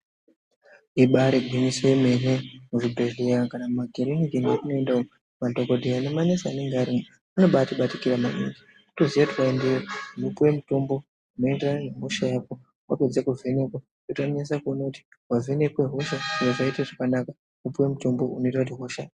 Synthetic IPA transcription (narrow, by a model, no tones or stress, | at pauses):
iɓaɾeɡʱinisoeme̞nemuʐidoʐeakanamumaɡʱeɾeniɡenekunoendao | madokodʱeane̞manesaane̞ŋɡeaɾimo | ano̞ɓatiɓatikiɾamaʔḭŋɡi | tozijatiwaendeoumupuwe̞mutombo̞ | uno̞enderananeɦoʃajaːko | wa̰pe̞d͡zekuve̞ne̞kwa | kutaɲas̬akuonouti̥ | wave̞nekweɦoʃaiwoʐaiteʐakanaka | kupuwe̞mutombo̞uno̞itwatiɦoʃa